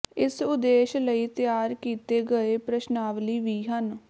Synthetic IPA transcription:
ɪsʊd̪eːʃləiːt̪ɪjaːɾkiːt̪eːɡəeːpɾəʃnaːʋliːʋiːɦən

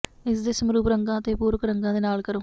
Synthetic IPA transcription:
is̬d̪esɐmɾuːpɾɐŋɡaːt̪eːpuːɾukːɐɾɐŋɡaːd̪inaːɭkɐɾum

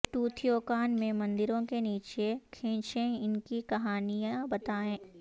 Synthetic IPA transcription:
ʈuːt̪ʰijoːkaːnmẽmɐ̃nd̪ɪɾõkeniːt͡ʃekʰẽːt͡ʃẽɪnkikɐɦaːnijãbɐt̪aːẽː

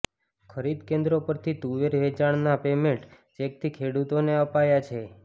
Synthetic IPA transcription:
kʰəɾid̪kẽnd̪ɾopəɾt̪ʰit̪uʋeɾʋet͡ʃaɽ̃napemeʈ | d͡ʒek̚t̪ʰikʰeɽut̪oneəpajat͡ʃʰe

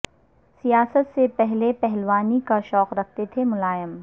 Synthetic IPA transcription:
sijaːsət̪sepɛɦlepɛɦlʋaːnikaʃɔːqɾɐk̚ʰt̪et̪ʰemʊlaːjəm

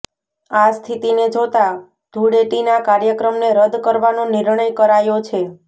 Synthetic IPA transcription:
ast̪ʰit̪ined͡ʒot̪a | d̪̥ʱuɽeʈinakaɾjəkɾəmneɾəd̪ʱkəɾʋanonɪɾɳəjkəɾajot͡ʃʰe

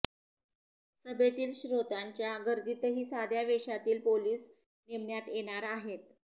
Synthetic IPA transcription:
səbet̪iːlɕɾot̪aɲt͡ɕjaɡəɾd̪it̪əɦiːsad̪ʱjaʋeɕat̪iːlpoliːs | neʋɳjat̪jeɽ̃aɾaɦet̪

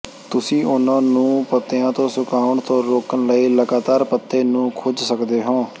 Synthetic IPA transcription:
t̪ʊsĩːʔʊnãːnũːpət̪ːeãːt̪õːsʊkaːʊɳt̪õːɾoːkənləiːləɡaːt̪aːɾpət̪ːeːnũːkʰod͡ʒsəkd̪eːɦõː

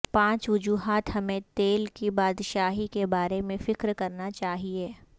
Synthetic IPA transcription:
pãːt͡ʃʋʊd͡ʒuːɦaːt̪ɦɐmẽt̪eːlkibaːd̪ʃaːɦikebaːɾemẽfɪkɾkɐɾnat͡ʃaːɦieː

